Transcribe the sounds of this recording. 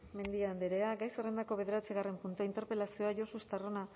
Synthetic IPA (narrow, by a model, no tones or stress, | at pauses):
me̞nd̪iand̪eɾe̞aɡajsere̞nd̪ako̞βe̞ðe̞ɾat͡siɣare̞mpunt̪uaint̪e̞ɾpe̞lasio̞aʝo̞soest̪arona